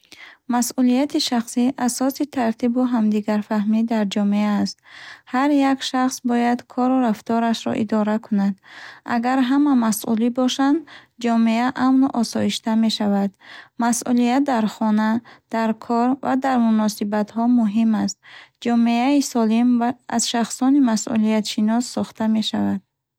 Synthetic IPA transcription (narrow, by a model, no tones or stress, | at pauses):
masʔulijat̪ʰiʃaχsiʔasɔsit̪ʰaɾt̪ʰibuɦamd̪iɡaɾfahmid̪aɾd͡ʒɔmeaːst̪haɾjakʃaχsbɔjad̪kʰɔɾuɾaft̪ɔɾaʃɾɔ̰ʔḭd̪ɔɾakʰunad̪a̰ɡaɾɦamamasʔulibɔʃand̪d͡ʒɔmeaʔamnuʔɔsɔiʃt̪ame̞ʃavad̪masʔulijat̪̚d̪aɾχɔnad̪̥aɾkʰɔɾvad̪aɾmunɔsibat̪hɔmuɦimast̪̚d͡ʒɔmeaisɔlima̰z̥ʃaχsɔnimasʔṵlijat̪ʃinɔsːɔχt̪ame̞ʃavad̪̥